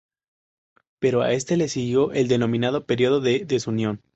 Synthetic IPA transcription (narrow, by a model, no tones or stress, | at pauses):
pe̞ɾoa̰e̞st̪e̞lesiɣjo̞ʔeld̪e̞no̞mĩnaðo̞pe̞ɾjo̞ðo̞ðeðesunjo̞n